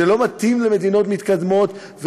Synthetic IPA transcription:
elo̞mat̪imleme̞d̪ino̞t̪mit̪kad̪mo̞t̪ | ve

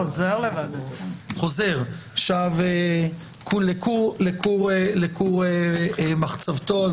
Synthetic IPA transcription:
ozeʁlevadχo̞ze̞ʁaʃave | kʰulekulekuʁelekuʁemaχt͡savt̪o

